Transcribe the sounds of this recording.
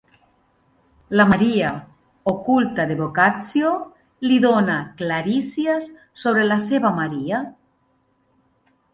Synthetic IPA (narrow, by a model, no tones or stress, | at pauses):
lamaɾia | okult̪aðeβokat͡sjo | liðonaklaɾisiasː | oβ̞ɾelaseβamaɾia